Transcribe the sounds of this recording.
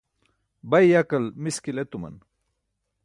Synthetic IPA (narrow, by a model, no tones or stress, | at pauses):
bajjakɐlmiskilet̪umɐ̰n